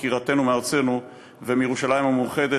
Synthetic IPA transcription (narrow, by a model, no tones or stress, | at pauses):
kiʁat̪e̞numeaʁt͡se̞nu | vemijeuʃalajimamuχe̞d̪e